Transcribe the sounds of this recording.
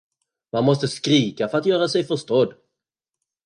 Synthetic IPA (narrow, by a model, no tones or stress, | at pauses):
manmɔst̪əskɾiːkafœɾat̪jœːɾasɛjfœʂt̪ɔd̪